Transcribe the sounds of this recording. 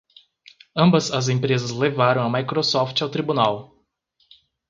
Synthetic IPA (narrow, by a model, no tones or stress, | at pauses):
ɐ̃mbɐzɐzẽpɾezɐzlevaɾɐ̃w̃ɐmajkɾosɔft͡ʃɪawt̪ɾibunaw